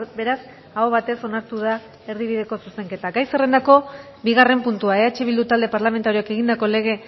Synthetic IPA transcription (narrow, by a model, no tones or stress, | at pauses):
be̞ɾas | aoβat̪e̞so̞naɾt̪uð̞a | e̞ɾðiβ̞iðe̞ko̞suse̞ŋke̞t̪aɡajsere̞nd̪ako̞ | biɣ̞are̞mpunt̪uaeat͡ʃeβild̪ut̪ald̪e̞paɾlame̞nt̪aɾioke̞ɣ̞ind̪ako̞le̞ɣ̞e̞